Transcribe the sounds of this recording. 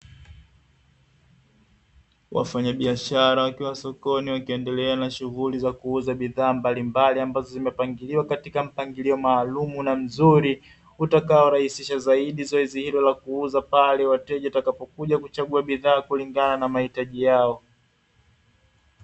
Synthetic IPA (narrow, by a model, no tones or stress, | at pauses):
wa̰faɲaɓiaʃaɾawakiwasɔkɔniwakiɛndɛlɛanaʃuɣulizakuuzaɓiðaːmbalimbaliambazɔzimɛpaŋɡiliwakatikam̩paŋɡiliɔmaːlumunam̩zuɾi | utakaɔɾahisiʃazaiɗizɔɛzihilɔlakuuzapalɛwatɛʄatakapɔkuʄakut͡ʃaɠuaɓiðaːkuliŋɡananamahitaʄijaɔ